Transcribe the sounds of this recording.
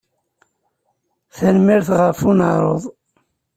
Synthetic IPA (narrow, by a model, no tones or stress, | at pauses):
θænmiɾθʁəfunəɾˤoðˤ